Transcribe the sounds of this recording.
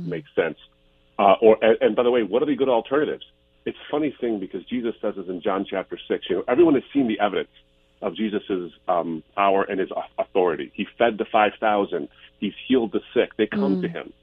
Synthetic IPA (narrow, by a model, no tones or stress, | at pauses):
meɪksɛ̃ns | ʔə˞ʔɨɨ̃nbaɪðəweɪwʌɾə˞ðɨɡʊɾl̩ˠtʰɜ̃˞nɨɾɪ̰vz̥ | ɨtsfʌniθɪ̃ŋbɨkʰʌzd͡ʒizɨsɛzɨsɨ̃nd͡ʒɑ̃nt͡ʃʰæp̚tə˞sɪksjɨ̃nʔɛvɹiwʌ̃nɨz̥sĩnðiʔɛvɨɾɨ̰̃ns | ʔʌvd͡ʒizɨsɨzpʰaʊə˞ʔɨ̃nɨzəθɔɹɨɾḭifɛd̪̚tɨfaɪv̥θaʊzɨ̃nd̥̚hiz̥hilˠd̪̚ðɨsɪk̚ðeɪkʰʌ̃mtɨɪ̰̃m